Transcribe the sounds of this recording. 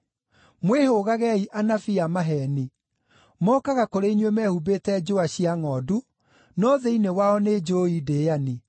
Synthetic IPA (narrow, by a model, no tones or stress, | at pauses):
mwehoɣaɣɛiʔanafiamaɦɛni | mɔːkaɣakoɾeinwemɛhubeːtɛd͡ʑoaɕiaŋɔdu | nɔðɛinewaɔned͡ʒoideani